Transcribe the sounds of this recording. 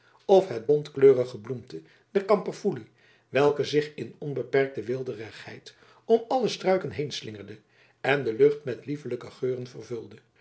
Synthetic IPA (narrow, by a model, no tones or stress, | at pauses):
ɔfɦɛt̚bɔntkløːʁəχəblumtə | dɛrkɑmpəfuli | ʋɛlˠkəzɪχɪnɔnbəpɛrk̚təʋɪlˠdərəχhɛ̰jt | ɔmɑləstrœɥkənɦejnslɪŋərdə | ɛndəlɵχtmɛtlivələkəχøːʁənvərvɵlˠdə